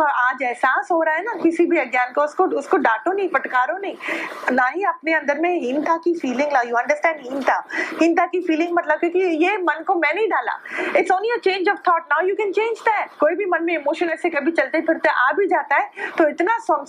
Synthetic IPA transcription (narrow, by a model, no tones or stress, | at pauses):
ɔaːd͡ʒɛɦsaːsɦoːɾaaɦɛnakɪsibʱiɐɡjaːnkoʊskoʊskoɖaːʈõnɐɦĩpɐʈkaːɾõnɐɦĩnaːɦĩɐpneɐ̃nd̪əɾmẽɦɪ̃nt̪akifiːlɪ̃ŋɡnajuːɐ̃ɳɖəɾsʈɛ̃ːɳɖɦɪ̃nt̪aɦɪ̃nt̪akifiːlɪ̃ŋɡmɐt̪ləb̚kekijeːmɐnkomɛ̃ːnɐɦĩɖaːla̰ːɪʈsɔ̃ːnlijət͡ʃẽːnd͡ʒɔːʋt̪ʰɔːʈ̚naʊjuːkɛ̃nt͡ʃẽːnd͡ʒd̪ɛtkoːibʱimɐ̃nmẽɪmoːʃə̃nɛsekɐbʱit͡ʃɐlt̪epʰɪɽt̪eʔaːbʱid͡ʒaːt̪aɦɛːt̪oɪt̪nasɔ̃